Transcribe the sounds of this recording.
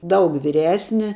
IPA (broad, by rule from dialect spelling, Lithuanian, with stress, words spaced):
ˈdɐʊk ʋʲiːˈrʲæːsʲnʲɪ